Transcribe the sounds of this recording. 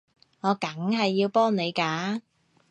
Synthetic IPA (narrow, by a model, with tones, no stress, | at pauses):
ŋɔː˨˧kɐ˨˥ŋhɐ˨jːiː˧wpɔː˥ŋne˨˧jkaː˨˥